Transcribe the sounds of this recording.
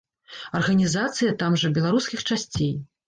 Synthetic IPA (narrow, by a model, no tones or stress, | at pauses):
ɐrɣɐnʲizat̪sɨjɐt̪amʐɐbʲɛlˠaɾuskʲixt͡ʂasʲt͡sʲej